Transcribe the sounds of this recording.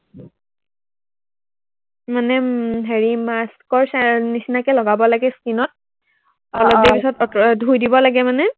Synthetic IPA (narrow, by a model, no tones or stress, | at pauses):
manɛɦeɹimaskɔɹsanisinakɛlɔɡabɔlaɡɛskinɔt̚ | ɔlɔdɛpisɔtɔdʱujdibɔlaɡɛmanɛ